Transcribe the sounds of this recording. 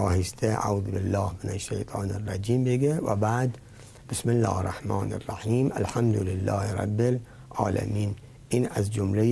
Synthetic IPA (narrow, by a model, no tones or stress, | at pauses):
ɑːhɪst̪ʰḛʕuðbɪlːɑːhmɪnaʃːajt̪ˤʰɑːnarˤːɑd͡ʒiːmbeɡewæ̰baːd̪ | b̥ɪsmɪlːɑ̰ːhrˤːɑħmɑːna̰rˤːaħiːmʔalħamd̪ʊlɪlːɑːhɾˤɑ̰bːɪl | ʕɑ̰ːlæ̰miːn | ʔinæzd͡ʒʊmle